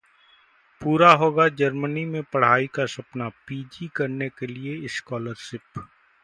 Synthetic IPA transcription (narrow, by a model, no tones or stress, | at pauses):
puːɾaɦoːɡad͡ʒɐɾmənimẽpɐɽ̤aːikasɐpnapiːd͡ʒikɐɾnekelieɪskɔːləɾʃɪp